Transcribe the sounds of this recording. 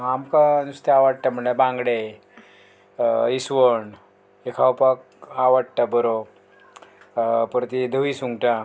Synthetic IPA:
amkanust̪eaʋaɽʈam̤əɳabãŋɡɽe | isʋəɳ | ekʰawpak̚ | aʋaɽ̚ʈabəɾo | pəɾt̪id̪ʱəʋisuŋɡʈa

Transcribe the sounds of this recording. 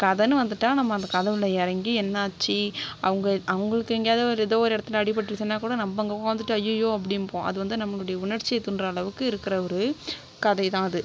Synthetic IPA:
kɐðɐnːɯʋɐnd̪ɯʈːãːnɐmːɐːnd̪ɐkɐðɐʋɪlɐɛɾɐŋɡiɛnːaːt͡ʃːiʔɐʋɐŋɡɐʔɐʋɐŋɡɐɭɯkːɯɛŋɡejaːðɾɪðoːʋoːɾɛɽɐt̪ːɐlɐɐɽɪp̬ːɐʈːɪɾɯt͡ʃːɪnːaːkuːɽɐnɐmbɐŋɡɐpoːɡɐʋɐnd̪ɯʈːɯɐjojːoːɐp̬ːɐɽɪnːpõːʔɐ̰ðɯʋɐnd̪ɯnɐmːɐɭʊɽɐjɐʊɳɐɾt͡ʃːɪjɐɪt̪ːʊndrɐːɭɐʋɯkːɯɪɾɯkːɪɾɐɔɾɯ | kɐðɐɪt̪ãːɐðɯ

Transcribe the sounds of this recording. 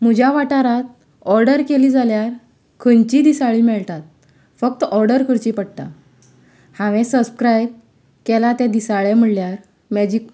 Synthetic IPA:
m̤ud͡ʑʱjaʋaʈaɾat̪̚ | ɔɾɖəɾkeliːd͡zaljaɾ | kʰənt͡ɕid̪isaɭiːmɛɭt̪at̪̚ | fək̚t̪ɔɾɖəɾkʰəɾt͡ɕipəɽt̪a̰ | hãʋẽsəbskɾajb̚ | kelat̪ɛd̪isaɭẽm̤əɽljaɾ | mad͡ʑik

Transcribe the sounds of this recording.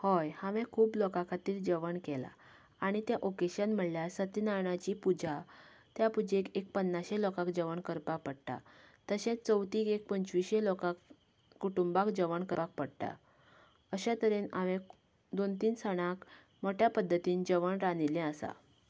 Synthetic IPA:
hɔjhaʋẽkʰuːplɔkãkʰat̪iːɾd͡ʑəʋəɳkɛla̰ | aɽ̃it̪jaʔokeɕənm̤əɽljasət̪inaɳat͡ɕipud͡ʑat̪japud͡ʑekek̚pənːaɕelɔkakd͡ʑəʋəɳkəɾpapəɽʈ̪a̰t̪əɕẽt͡st͡səwt̪iːkek̚pəɲt͡ɕʋiɕelɔkakː | uʈumbakd͡ʑəʋəɳkəpak̚pəɽʈ̪a̰ | əɕat̪əɾenaʋẽ | d̪ont̪̬iːnsəɽ̃ãk | mɔʈʰjapəd̪ʱːət̪iːnd͡ʑəʋəɳɾanilɛ̃əsa̰

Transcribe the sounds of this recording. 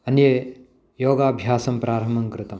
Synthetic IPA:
ɐnje | joːɡaːbʱjaːsɐmpɾaːɾɐmɐŋkɾɪt̪ɐm

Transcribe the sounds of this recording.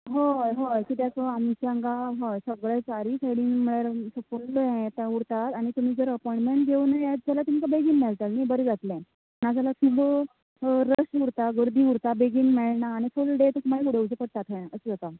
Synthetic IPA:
ɦoɦokit̪jat͡səamit͡ɕaŋɡaɦɔsəɡɭɛt͡saɾiːsajɽiːnm̤əɭaɾsəpuɳɖəɛ̃t̪auɽt̪at̪aɽ̃it̪um̤iːd͡zəɾəpɔj̃ɳʈmeɳʈ̚ɡeunẽd͡zalat̪um̤ikabeɡiːnmɛɭt̪alnijbəɾed͡zat̪lɛ̃ | nad͡zalat̪ʰubə | ɾəsuɽt̪aɡəɾd̪ʱiːuɽt̪abeɡiːnmeɭɳaːɽ̃ifulɖet̪ok̪um̤aliuɽəwt͡səpəɽt̪at̪ɦəjəsəd͡zat̪a

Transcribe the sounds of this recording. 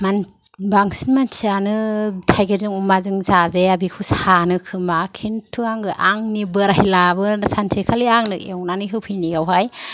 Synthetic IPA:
man | baŋsinmansianɯtʰajɡeɾzɯŋumazɯŋzazeabikʰushanɯkʰɯmakʰintʰuaŋɡɯʔaŋnibɯɾajlabɯsansʰekʰaliaŋnɯḛwnaniɦɯwpʰijniɡawɦaj

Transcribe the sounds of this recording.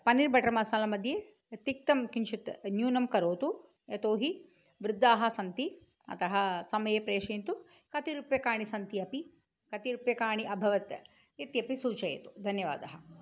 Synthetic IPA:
pɐniɾbʱɐʈɾɐmɐsaːlɐmɐd̪ʱje | t̪ik̚t̪ɐmkinʃit̪njuːnɐmkɐɾoːt̪u | jɐt̪oːɦi | ʋɾɪd̪ʱːaːɦɐsɐnt̪i | ɐ̰t̪ɐɦɐsɐmɐjepɾeːʂeːnt̪u | kɐt̪iɾupjɐkaːɳisɐnt̪iɐpi | kɐt̪iɾupjɐkaːɳiʔɐbʱɐʋɐt̪ | it̪jɐpisuːt͡ʃɐjɐ̰t̪u̥d̪ʱɐnjɐʋa̰ːd̪ɐɦɐ

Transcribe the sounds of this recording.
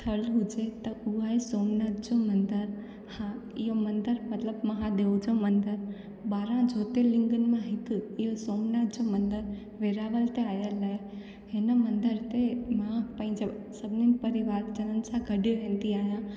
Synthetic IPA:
t̪ʰəlɦud͡ʒet̪ɐuaesoːmnat̪̚d͡ʒomənd̪əɾ | hãɪjomə̃nd̪əɾmət̪ləbmɐɦãd̪eud͡ʒomə̃nd̪əɾ | baːɾãd͡ʒʱot̪elɪ̃ŋɡənmãɦɪkijosoːmnat̪̚d͡ʒomənd̪əɾ | ʋeɾaʋəlt̪eaːjəlːəe | ɦenəmənd̪əɾt̪emapɐ̃ĩd͡ʒe | səbninpəɾiʋaːɾd͡ʒənənsãɡʱəɖoɦẽːnd̪iaːjã

